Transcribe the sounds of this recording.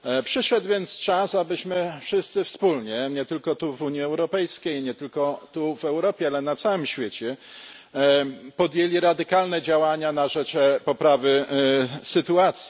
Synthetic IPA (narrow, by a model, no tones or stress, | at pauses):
pʂɘʂɛd̪vʲjɛnt̪st͡ʂasabɘɕmɘfʂɘst̪sɘfspulɲɛɲɛt̪ɘlkɔt̪uvuɲjiɛwɾɔpɛjskʲejɲɛt̪ɘlkɔt̪uvɛwɾɔpʲjɛalɛnat̪sawɘmɕfʲjet͡ɕɛ | pɔd̪jelʲiɾad̪ɘkalnɛd͡ʑawaɲanaʐɛt͡ʂpɔpɾavɘ | sɘt̪uat̪sʲji